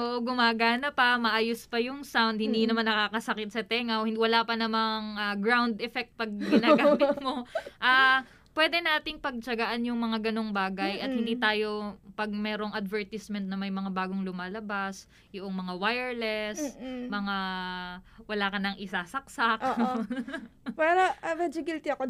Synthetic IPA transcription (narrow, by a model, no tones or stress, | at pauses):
ʔoːʔoɡʊmaːɡaːnɐpɐmɐʔaːjospɐjʊŋsawnd̪̚hɪnd̪iːnɐmanːɐkaːkɐsɐkɪt̪̚sɐt̪ɛŋɐwh̪wɐlaːpɐnɐmaŋaɡɹawnd̪ɛfɛk̚t̪̚pɐɡ̚ɡɪnaɡaːmɪt̪̚mo̞ʔaː | pwɛːd̪ɛnaːt̪ɪŋpɐɡ̚t͡ʃɐɡaʔanjʊŋmɐŋaɡɐno̞ŋbaːɡɐjʔɐt̪̚hɪnd̪iːt̪aːjo̞pɐɡ̚mɛːɾo̞ŋɐd̪vɛɹt̪ɪsmɛnt̪nɐmɐjmɐŋabaːɡoŋlʊmaːlɐbas | jʊʔoŋmɐŋawajɛɹlɛsmɐŋa | wɐlaːkɐnɐŋʔɪsaːsɐk̚sakʔʔ | pɛɾoɐmɛd͡ʒoɡilt̪ɪɐko